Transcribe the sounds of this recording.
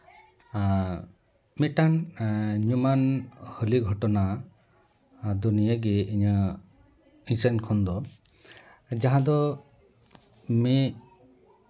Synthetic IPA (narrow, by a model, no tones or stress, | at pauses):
miʈanɲumanhəliɡʱɔʈɔna | d̪unijəɡiiɲə | isənkʰɔnd̪ɔ | d͡ʒaɦãd̪ɔ | me